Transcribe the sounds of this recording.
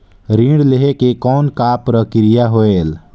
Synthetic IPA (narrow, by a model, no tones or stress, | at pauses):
ɾĩːɖleɦekekɔːnkapɾəkɪɾɪjaɦoeːl